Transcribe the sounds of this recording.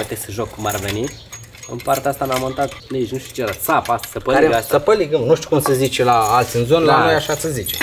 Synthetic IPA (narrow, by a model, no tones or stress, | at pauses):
et̪esəʒokʰːumarve̞ni | ɨ̰npart̪east̪anamont̪at̪liʒnuʃt̪u̥t͡ʃed̪asapast̪ḁsəpəaɾeasəpəliɡəmnuʃt̪ʲu̥kumsəzit͡ʃelaalt̪sʲɨnzo̞nəlano̞jaʃasəzit͡ʃe